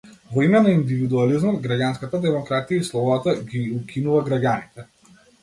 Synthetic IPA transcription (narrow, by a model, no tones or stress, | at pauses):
vɔimɛnaind̪ivid̪ualizmɔd̪ɡɾaɟanskat̪ad̪ɛmɔkɾat̪ijaislˠɔvɔat̪aɡiukʰinuvaɡɾaɡɟanit̪ɛ